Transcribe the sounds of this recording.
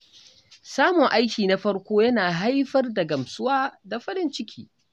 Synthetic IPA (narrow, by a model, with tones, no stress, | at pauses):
saː˦mʊ˨ŋʔa˦jkʲiː˨na˦ɸɐ˦ɽkʷoː˦jɐ˦naː˨ɦa˦jɸɐ˦rda˨ɡɐ˨msʊ˦waː˦da˨ɸɐ˦ɽɪ˦nt͡ʃɪ˦kʲiː˦